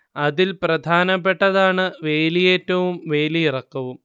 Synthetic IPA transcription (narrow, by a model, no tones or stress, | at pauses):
ɐðilprɐd̪ʱaːnɐpːe̞ʈːɐðaːɳɨʋe̞ːlijeːtːɐʋumʋe̞ːliirɐkːɐʋum